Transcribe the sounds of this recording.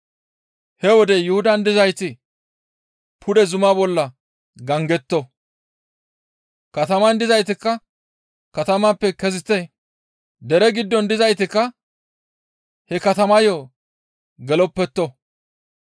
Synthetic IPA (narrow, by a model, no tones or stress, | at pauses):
hɛwɔd̪ɛjʊhʊd̪ɐnd̪ɪzɐjt̪ɪ | pʰʊd̪ɛzʊmaːbɔlːɐ | ɡɐŋɡɛt̪ːɔ | kɐt̪ɐmɐnd̪ɪzɐjt̪ɪkːɐ | kɐt̪ɐmaːpːɛkɛzɪt̪ːɛ | d̪ɛɾɛɡɪd̪ːɔnd̪ɪzɐjt̪ɪkːɐ | hɛkɐt̪ɐmɐjɔ | ɡɛlɔpːɛt̪ːɔ